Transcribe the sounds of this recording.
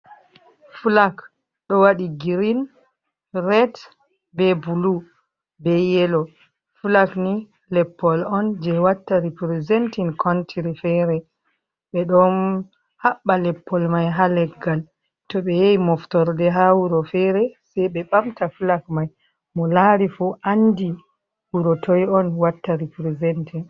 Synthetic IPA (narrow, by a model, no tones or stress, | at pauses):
fulak | ɗɔwaɗiɡiɾin | ɾɛt | bɛbulu | bɛjɛlɔ | fulakni | lɛpːɔlɔnd͡ʒɛwatːaɾipɾizɛntinkʰɔntʰiɾifɛɾɛ | ɓɛɗɔn | haɓːalɛpʰːɔlmajɦalɛɡːal | tɔɓɛjejimɔftɔɾdɛɦawuɾɔfɛɾɛsɛjɓɛɓamtafulakmaj | mɔlaːɾifuʔandi | wuɾɔtʰɔjɔnwatːaɾipɾizɛntin